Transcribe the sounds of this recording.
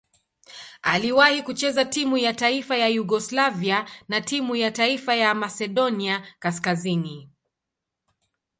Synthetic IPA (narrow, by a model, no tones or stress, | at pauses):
aliwahikut͡ʃɛzatimujataifajajuɡɔslavianatimujataifajamasɛɗɔniakaskazini